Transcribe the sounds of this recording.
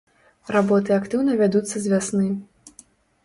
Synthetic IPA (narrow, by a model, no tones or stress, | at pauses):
rabɔt̪̬ɨakt̪ɨwnɐvʲad̪ut̪sːɐzʲvʲasnɨ